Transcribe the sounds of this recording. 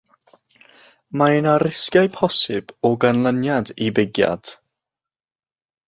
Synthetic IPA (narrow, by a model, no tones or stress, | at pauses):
maɪnaɾɪskjajpʰɔsɪb̥ɔɡanlˠənjadibɪɡja̰d̥